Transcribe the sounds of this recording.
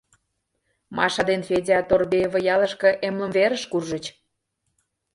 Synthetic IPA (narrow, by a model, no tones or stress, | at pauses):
mɑʃɑd̪enfʲedʲɑt̪orbevə̆jɑlə̆ʃkɤ̆ʔemlə̆mveɾə̆ʃkurʒə̆t͡ɕ